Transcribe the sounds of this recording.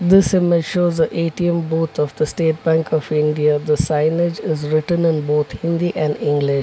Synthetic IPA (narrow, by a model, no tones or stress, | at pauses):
d̪ɪsɪmɪd͡ʒʃoːzəʔeːʈiə̃mboːt̪ʰɔfd̪əsʈeːʈ̚bæ̃ŋkʰɔfɪ̃ɳɖiad̪əsãɪnɪd͡ʒɪzɾɪʈə̃nɪ̃nboːt̪ʰhɪ̃nd̪iʔɛ̃ɳɖɪ̃ŋɡlɪʃ